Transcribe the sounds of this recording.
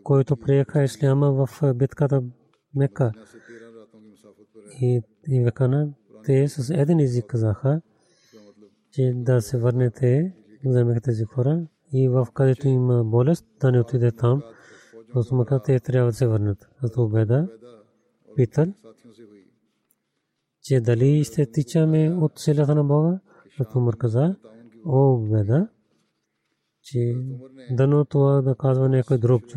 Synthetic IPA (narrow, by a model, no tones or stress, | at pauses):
koːit̪oːpɾeːkʰaɪsliamãːʋɐfbɪt̪kat̪a | mekːaː | i | iːʋekana | t̪eːsɐs̬ed̪eniziːkːɐzaːkʰa | t͡ʃed̪aːseʋɐɾnet̪ʰe | ɪkzaːmekʰt̪eːzikʰoːɾa | iːʋɐfkɐd̪et̪uimaboːlest̪d̪aneut̪ʰiːd̪et̪aːm | ot̪umɐkəat̪eːt̪ɐɾaːʋəd̪seːʋɐɾnət̪ | ɐt̪ʰuːbɛːd̪aː | pit̪əl | t͡ʃeːd̪ɐliːʃt̪ʰet̪it͡ʃaːmẽːʊt̪selat̪ʰnãboːɡaː | t̪ʰumɐɾkəzaː | oːbɛːd̪a | t͡ʃe | d̪ɐnõːt̪uaːd̪akaːzʋanekoːid̪ɾoːɡt͡ʃʰ